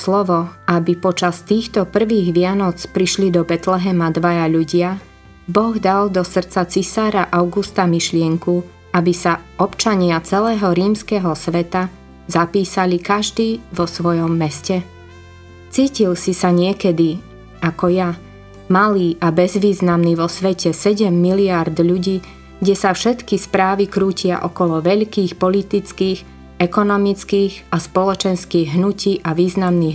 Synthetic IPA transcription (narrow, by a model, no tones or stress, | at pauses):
slɔʋɔabipɔt͡ʃast̪iːxt̪ɔpr̩ʋiːɣʋɪanɔt͡spɾiʃlid̪ɔbɛt̪lɛɦɛmad̪ʋajaʎuɟɪa | bɔɣd̪ald̪ɔsr̩tt͡sat͡sisaːɾaʔaʊɡust̪amiʃlɪɛŋku | abisaɔpt͡ʃaɲɪat͡sɛlɛːɦɔɾiːmskɛɦɔsʋɛt̪a | zapiːsalikaʒd̪iːʋɔsʋɔjɔmːɛscɛ | t͡siːcilsisaɲɪɛkɛd̪i | akɔja | maliːʔabɛzʋiːznamniʋɔsʋɛcɛsɛɟɛmːiliaɾd̪ʎuɟiː | ɡɟɛsafʃɛt̪kispɾaːʋikɾuːcɪa̰ʔɔkɔlɔʋɛʎkiːxpɔlit̪it͡skiːɣ | ɛkɔnɔmit͡skiːɣaspɔlɔt͡ʃɛnskiːɣɦnuciːʔaʋiːznamniː